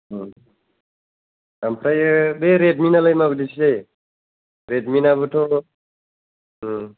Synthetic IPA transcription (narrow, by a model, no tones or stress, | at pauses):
ampʰɾajɯbeɾet̚minalajmabɯdisʰisaj | ɾedminabɯtʰo